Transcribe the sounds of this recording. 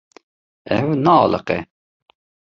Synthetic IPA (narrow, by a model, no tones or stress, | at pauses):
ɛwnɑɑlə̰qɛ̰